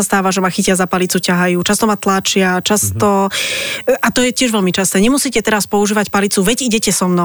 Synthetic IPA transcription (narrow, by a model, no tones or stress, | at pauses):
ast̪aːʋaʒɛmaxicɪazapalit͡sucaɦajuːt͡ʃast̪ɔmat̪lat͡ʃɪat͡ʃast̪ɔ | ʔat̪ɔjɛcɪɛʒʋɛʎmit͡ʃast̪ɛːɲɛmusiːcɛt̪ɛɾaspɔuʒiːʋacpalit͡suʋɛɟiɟɛcɛsɔmnɔ